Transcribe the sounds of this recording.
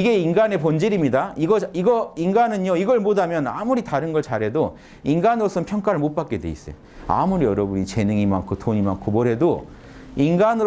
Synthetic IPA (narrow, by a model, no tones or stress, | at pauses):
iɡe̞inɡane̞pond͡ʑiɾimɲidaiɡʌiɡʌinɡanɯnjoiɡʌɭmodamjʌna̰muɾitaɾɯnɡʌɭt͡ɕaɾɦe̞do | inɡanɯɾosʰʌnpʰjʌŋk͈aɾɯɭmot̚p͈ak͈e̞dwe̞̰ḭs͈ḛjo | a̰muɾiʌɾʌbuɲit͡ɕe̞nɯŋima̰ŋkʰotoɲimaŋkʰomʌɦe̞do | inɡanɯɾ